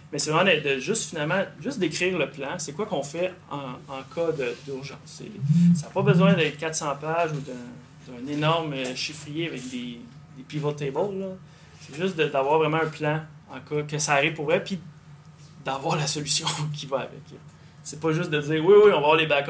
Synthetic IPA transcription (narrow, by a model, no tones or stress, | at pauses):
mɛsɛvʁɛmãd̪əd̪əʒʏst̪finalmãʒʏstd̪ekʁiːʁləplãsɛkwakɔ̃fɛɑ̃ɑ̃kʰʌd̪əd̪yʁʒɑ̰̃sːḛsaːpɔbəzwɛ̃d̪ɛ̃kʲat̪sɑ̃paʒud̪ə̃ | d̪ɛ̃nenɔʁməʃifʁijeavɛk̚d̪e | d̪epivɛlt̪ɛbɔlːɔ | sɛʒʏst̪d̪əd̪avwaːʁvʁɛmãɛ̃plãɑ̃kɑkəsaːʁivpʊʁvʁɛpi | d̪avwaːʁlasɔlysjɔ̃kʲivaa̰vɛ̰k | sɛpɔʒʏsd̪əd͡ziːʁwiwiɔ̃vavwaʁlebak